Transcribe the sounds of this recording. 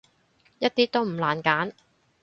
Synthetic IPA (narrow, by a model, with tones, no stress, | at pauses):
jɐ˥t̚t̪iː˥t̪o˥wm̩˨˩laː˨˩nkaː˨˥n